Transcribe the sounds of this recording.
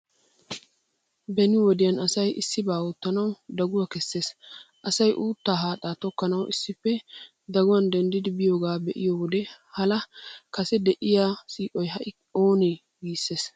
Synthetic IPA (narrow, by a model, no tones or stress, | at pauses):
bɛnɪwɔd̪ɪjɐnɐsɐjʔɪsːɪbaːwʊt̪ːɐnɐwd̪ɐɡʊwakɛsːe̞ːsʔɐsɐjʔuːt̪ːaːɦaːt̪ʼːaːt̪ɔkːɐnɐwʔɪsːɪfːɛ | d̪ɐɡʊwɐnd̪ɛnd̪ɪd̪ɪbɪjo̞ːɡaːbɛʔɪ̰jowɔd̪ɛ | hɐlɐkɐsɛd̪ɛʔɪjaːsiːʔʼɔjɦɐʔɪ | oːneː | ɡiːsːe̞ːs